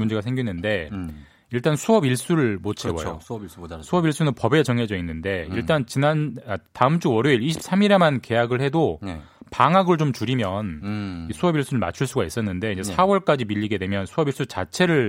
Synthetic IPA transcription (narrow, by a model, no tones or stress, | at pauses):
mund͡ʑe̞ɡasʰe̞ŋɡinːɯnde̞ | iɭt͈ansʰuʌbiɭs͈uɾɯɭmot͡ɕ͈ʰewʌ̰jo̰sʰuʌbiɭs͈unɯnpʌbe̞t͡ɕʌŋɦe̞d͡ʑʌinːɯnde̞iɭt͈ant͡ɕinanataɯmt͡ɕ͈uwʌɾuiɾiɕʰi̥p̚s͈amiɾe̞manke̞jaɡɯɭhe̞do | paŋaɡɯɭt͡ɕomt͡ɕuɾimjʌnisʰuʌbiɭs͈uɾɯɭma̰t͡ɕʰuɭs͈uɡais͈ʌnːɯnde̞inɲd͡ʑe̞sʰawʌɭk͈ad͡ʑimiʎːiɡe̞dwe̞mjʌnsʰuʌbiɭs͈ut͡ɕa̰t͡ɕʰe̞ɾɯɭ